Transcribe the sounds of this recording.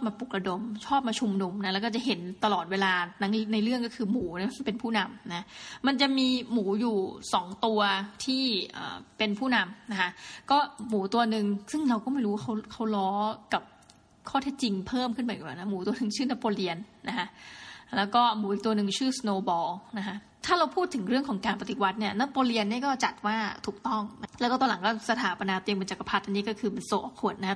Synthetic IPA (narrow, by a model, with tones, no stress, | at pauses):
ɔː˥p̚maː˧pu˨˩k̚ɾa˧do˧mt͡ɕʰɔː˥˩p̚maː˧t͡ɕʰu˧mnu˧mna˦˥lɛ˦˥kɔː˥˩t͡ɕa˨˩ɦe˩˦nt̪a˧lɔː˨˩t̪̚weː˧laː˧na˧na˧jɾɯ˥˩əŋk̬ɔː˥˩kʰɯː˧muː˩˦na˦˥˦pe˧npʰuː˥˩na˧mna˦˥ma˧nt͡ɕa˨˩ʔmiː˧muː˩˦juː˨˩sɔː˩˦ŋt̪u˧ɐt̪ʰiː˥˩ʔə̰ː˨˩pe˧npʰuː˥˩na˧mna˦kʰa˦˥ʔkɔː˥˩muː˩˦t̪u˧ɐnɯ˨˩ŋsɯ˥˩ŋɾa˧wkɔː˥˩ma˥˩jɾu˦wa˥˩kʰa˦˥wkʰa˦˥wlɔː˦˥ka˨˩p̚ | kʰɔː˥˩t̪ʰe˦˥t̚t͡ɕi˧ŋpʰɤː˥˩mkʰɯ˥˩npa˧˦˨waː˨˩na˦˥muː˩˦t̪u˧ɐnɯ˧ŋt͡ɕʰɯː˥˩na˦˥pːoː˧li˧ənːa˦˥kʰa˦˥ʔlɛː˦˥wkɔː˥˩muː˨˩˦ʔiː˨˩k̚t̪u˧ɐnɯ˧ŋt͡ɕʰɯː˥˩snoː˧bɔː˧na˦˥kʰa˦˥ʔ | t̪ʰaː˥˩ɾa˧wpʰuː˥˩t̪ʰːɯ˩˦ŋɾɯ˥˩əŋkʰɔː˩˦ŋkaː˧npa˧t̪i˨˩wa˦˥t̪̚ni˥˩ɐnaː˦˥poː˧li˧ənːiː˥˩əkɔː˥˩t͡ɕa˨˩t̪̚waː˥˩t̪ʰuː˨˩k̚t̪ɔ˥˩ŋna˦˥lɛ˦˥kɔː˥˩˧la˨˦kɔː˥˩sa˧t̪ʰaː˩˦pa˧naː˧t̪i˧əŋpe˧nt͡ɕa˨˩kːa˧pʰa˦˥t̪ʔa˧nːiː˦˥kɔː˥˩kʰɯː˧m˧nso˨˩ʔɔː˨˩p̚kʰu˨˩əna˦˥